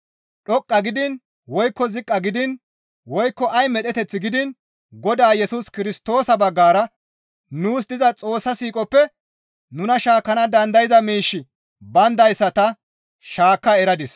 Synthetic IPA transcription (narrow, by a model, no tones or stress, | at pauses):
ɗɔkʼːɐɡɪd̪ɪn | wɔjkːɔzɪkʼːɐɡɪd̪ɪn | wɔjkːɔʔɐjmɛɗɛt̪ɛt͡sːɪɡɪd̪ɪn | ɡɔd̪aːjɛsʊskɪɾɪst̪o̞ːsɐbɐɡːaːɾɐ | nuːs̬d̪ɪzɐt͡sʼo̞ːsːɐsiːkʼɔpːɛ | nʊnɐʃaːkːɐnɐd̪ɐnd̪ɐjɪzɐmiːʃːɪ | bɐnd̪ɐjsːɐt̪ɐ | ʃaːkːɐɛɾɐd̪ɪs